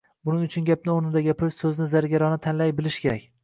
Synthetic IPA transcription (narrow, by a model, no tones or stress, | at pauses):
bʊnɪŋʊt͡ʃʰʊnɡʲap̚nɪoɾnɪd̪aɡʲapʰɪlssɵzɪnɪzaɾɡʲaɾɒnɪt̪ʰanlajbɪlɪʃkʲʰe̞ɾakʲ